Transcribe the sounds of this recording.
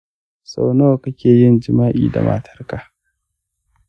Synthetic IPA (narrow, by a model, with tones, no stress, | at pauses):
sa˨wnoː˦ka˦kʲeː˨jɪ˦nd͡ʒɪ˨maː˦ʔḭː˨da̰˨mʔa̰˨tʰɐ˦rka˨